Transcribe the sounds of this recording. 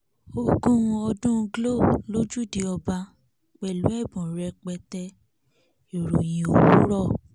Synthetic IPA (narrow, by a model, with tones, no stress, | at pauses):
o˧ɡũ˦ũ˧ɔ˧dũ˦˧ɡlo˦˨lo˦d͡ʒu˦˨di˧ɔ˧ba˧ | k͡pɛ˨lu˨˦ɛ˦˨bũ˨ɾɛ˧k͡pɛ˧tɛ˧ | e˨ɾo˨j̃ĩ˨o˨wu˨˦ɾɔ˦˨